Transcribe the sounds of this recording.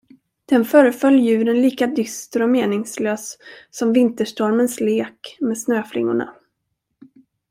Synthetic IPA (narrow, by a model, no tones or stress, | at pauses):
d̪̥ɛnfœːɾəfœljjʉ̟ːɾənliːkad̪ʏst̪əɾɔmeːnɪŋsløːsːɔmvɪnt̪əʂʈɔɾmənsleːkmeːd̪snøːflɪ̰ŋːʊ̰ɳa̰